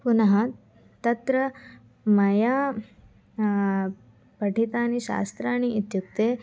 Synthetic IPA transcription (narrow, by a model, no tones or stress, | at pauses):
punɐɦɐ | t̪ɐt̪ɾɐ | mɐja | pɐʈʰit̪aːniɕa̰ːst̪ɾaːñiːt̪juk̚t̪e